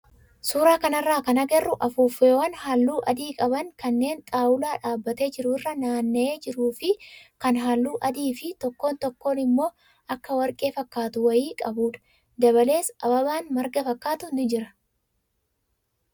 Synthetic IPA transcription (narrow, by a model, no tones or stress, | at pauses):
suːɾaːkɐnɐrːaːkɐnɐɡɛrːʊʔɐfuːfːeːwɐnɦalːuːʔɐd̪iːkʼɐbɐŋkɐnːe̞ːnt̪ʼaːwʊlaːᶑaːbːɐt̪e̞ːd͡ʒɪɾʊɪrːɐnaːnːɐeːd͡ʒɪɾuːfɪkɐnɦaːlːuːʔɐd̪iːfɪt̪ɔkːo̞ːnt̪ɔkːo̞ːnɪmːo̞ː | ʔɐkːɐwɐɾkʼe̞ːfɐkːaːt̪ʊwɐjiːkʼɐbuːᶑɐ̥ | d̪ɐβɐle̞ːsɐbɐβaːnmɐɾɡɐfɐkːaːt̪ʊnɪd͡ʒɪɾɐ̥